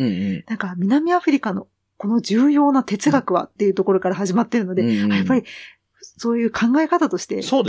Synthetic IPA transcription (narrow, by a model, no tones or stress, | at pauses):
nãŋkamʲinamʲiaɸɯ̟ɾʲikano̞ | ko̞no̞d͡ʑɨːjo̞ːnat̪e̞t͡sɨɡakɯ̟βa̰t̪ːe̞jɯ̟ːt̪o̞ko̞ɾo̞kaɾahaʑimat̪ːe̞ɾɯ̟no̞d̪e̞ajapːaɾʲi | so̞ːjɯ̟ːkʰãŋɡae̞kat̪at̪o̞ɕi̥t̪e̞soːd̪